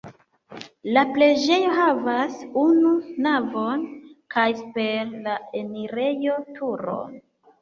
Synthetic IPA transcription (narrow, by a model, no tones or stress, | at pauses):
laple̞d͡ʒe̞jo̞ɦavasununavo̞nkajspeɾlae̞niɾe̞jo̞tʰuɾo̞̰n